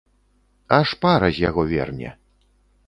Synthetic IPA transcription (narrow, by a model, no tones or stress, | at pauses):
aʂpaɾɐzʲjaɣɔvʲɛ̰rnʲɛ̰